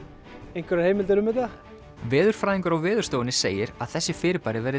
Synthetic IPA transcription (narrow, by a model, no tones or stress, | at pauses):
ẽjnkvɛɾahejmɪlt̪ɛɾʏmɪðθa | vɪːðʏɾ̥fɾaːðiŋkʏɾawvɪːðʏɾ̥st̪oːwɪnɪsḛːjɪɾa̰ðθɛsːɪfɪːɾɪpaɾɪvɛɾɪ